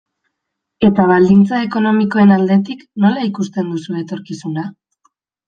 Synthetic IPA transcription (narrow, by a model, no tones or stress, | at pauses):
e̞t̪aβ̞ald̪int͡sae̞ko̞no̞miko̞e̞nald̪e̞t̪ikno̞laikust̪e̞nd̪usue̞t̪o̞ɾkisuna